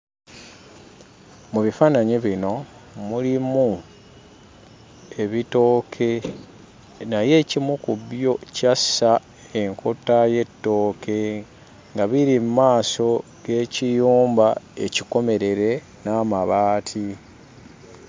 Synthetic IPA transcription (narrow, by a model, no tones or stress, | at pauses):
muβifaːnaɲiβino̞mulimu | e̞βito̞ːkʰe̞ | naje̞ːcimukubjo̞casa | e̞ŋkʰo̞taje̞tːo̞ːke̞ | ŋɡaβiɾimmaːso̞ | ɡe̞ːcijuːmbae̞ciko̞me̞ɾe̞ɾe̞ | naːmaβaːtʰi